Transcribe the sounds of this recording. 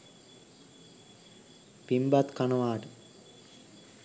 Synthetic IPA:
pimbat̪kanəʋaːʈə

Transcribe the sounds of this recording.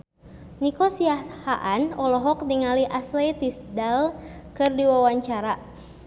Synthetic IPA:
nikɔsiahaʔanɔlɔɦɔk̚niŋaliʔaslejt̪isdalkɨrdiwawaɲt͡ʃaɾa

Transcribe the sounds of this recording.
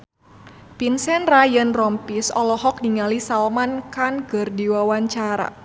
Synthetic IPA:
pinsɛnrajənrɔmpisɔ̰lɔɦɔk̚niŋalisalmankanɡərdiwawaɲt͡ʃaɾa̰

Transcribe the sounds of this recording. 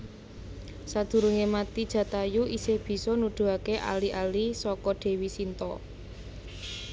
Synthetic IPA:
sad̪̥ṳɾuŋemat̪id̥ʒ̥ä̤t̪ajuʔisɪhb̥i̤sɔnud̪̥ṳɦakeʔa̰liʔalisɔkɔɖ̪̥e̤wisint̪ɔ

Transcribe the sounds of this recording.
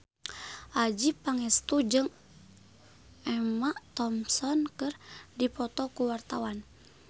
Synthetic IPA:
ʔad͡ʒipaŋɛst̪ud͡ʒɨŋ | ɛmaʔt̪ɔmsɔnkɨrdipɔt̪ɔkuwart̪awan

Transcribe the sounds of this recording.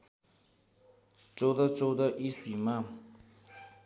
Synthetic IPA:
t͡sod̪at͡sod̪aʔiɬima

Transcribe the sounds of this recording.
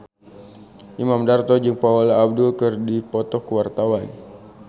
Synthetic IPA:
ʔimamdart̪ɔd͡ʒɨŋpaolaːb̚dʊlkɨrdipɔt̪ɔkəwart̪awan

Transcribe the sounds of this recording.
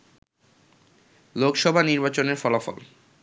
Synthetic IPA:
lokʃɔbʱaniɾbat͡ɕoneɾfɔlafɔ̰l

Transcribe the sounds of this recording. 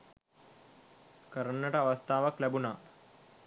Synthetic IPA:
kəɾənːəʈəaʋast̪ʰaːʋaklæbunaː

